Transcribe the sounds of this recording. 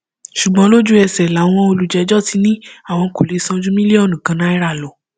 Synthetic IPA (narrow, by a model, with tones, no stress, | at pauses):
ʃu˨ɡ͡bɔ̃˨˦lo˦d͡ʒu˦ɛ˧sɛ˨la˨˦w̃ɔ̃˧o˧lu˨d͡ʒɛ˨˧˦d͡ʒɔ˦ti˧˦nĩ˦a˦˨w̃ɔ̃˧ko˨le˨˦sɔ̃˧d͡ʒũ˦mĩ˦le˦ɔ˦˨nũ˨kã˨˧nã˨˦i˦ɾa˦˨lɔ˨˦